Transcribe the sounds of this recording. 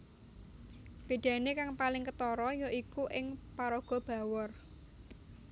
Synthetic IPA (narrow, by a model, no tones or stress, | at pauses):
b̥e̤d̪̥ä̤nekaŋpalɪŋkət̪ɔɾɔjoʔikuʔɪŋpaɾoɡ̥ɔ̤b̥a̤wɔr